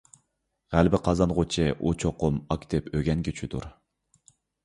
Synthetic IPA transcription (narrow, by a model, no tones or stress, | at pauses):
ʁælbɪqʰɑzɑnʁʊt͡ʃʰɪʔut͡ʃʰoqʊmɑkʲt̪ʰɪpʰøɡʲɛnɡʲit͡ʃʰyd̪ṵɾ